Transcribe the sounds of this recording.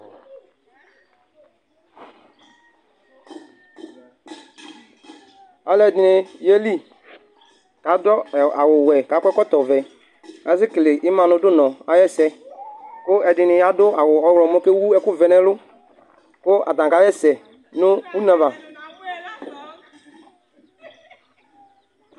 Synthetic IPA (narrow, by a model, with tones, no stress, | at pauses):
a˨lɛ˨dɪ˨nɪ˨je˦li˦ | ka˨˦dɔ˦˨a˨wʊ˨wɛ˨ka˨˦kʷɛ˦kɔ˦tɔ˨vɛ˨ | a˨˦sɪ˦kle˨ʔɪ˦mã˨nʊ˨˦dʊ˦nɔ̃˨a˨˦jɛ˦sɛ˦kʊ˦ɛ˨dɪ˨nɪ˨ja˦dʊ˦a˨wʊ˨ɔ˨˦wlɔ˨mɔ˦ke˦wu˦ɛ˦kʊ˦vɛ˨nɛ˦lʊ˦ | kʊ˦ʔa̰˨tã˨ka˨˦jɛ˦sɛ˨ | no˦u˦nã˨va˨